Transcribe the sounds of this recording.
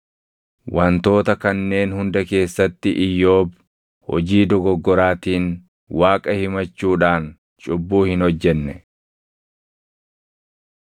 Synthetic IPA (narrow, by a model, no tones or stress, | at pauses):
wɐnt̪o̞ːt̪ɐkɐnːe̞ːnhʊnd̪ɐke̞ːsːɐt̪ːɪʔɪjːo̞ːb | hɔ̰d͡ʒiːd̪ɔɡɔɡːɔɾaːt̪iːn | waːkʼɐhɪmɐt͡ʃːuːᶑaːn | t͡ʃʼʊbːuːhɪnhɔd͡ʒːɛnːɛ